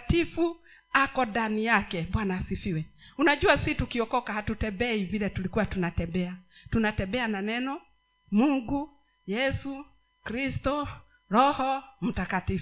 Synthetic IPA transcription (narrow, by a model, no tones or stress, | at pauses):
tifu | akɔdanijakɛɓwanaːsifiwɛunaʄuasitukiɔkɔkahatutɛmbɛivilɛtulikuwatunatɛmbɛatunatɛmbɛananɛnɔ | muŋɡu | jɛsu | kɾistɔ | ɾɔhɔm̩takatif